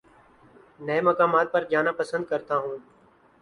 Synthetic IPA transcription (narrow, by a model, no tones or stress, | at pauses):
nəeːməkaːmaːt̪̚pəɾd͡ʒaːnaːpəsənd̪̚kəɾt̪aːɦũː